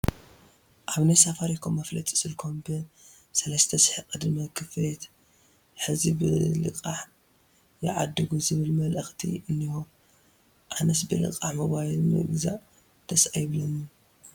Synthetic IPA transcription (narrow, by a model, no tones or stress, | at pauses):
ʔaβnajsafaɾikʰomːɐflɐt̪ʼɨ̥sɨlkʰombe | sɐlɐst̪ʰɐsħikʼɨd̪mɐkʰɨflet̪ | ħɨzibɨ̰lɨ̰kʼaħ | jɪ̰ʕad̪ːɨɡuzɨβɨlmɐlʔɐxt̪ʰḭʔɨnːiho | ʔanɐsbɨlɨ̰kʼaħmoβajilmɨ̰ɡɨza̰ʔ | d̪̥ɐsajɪβlɐnu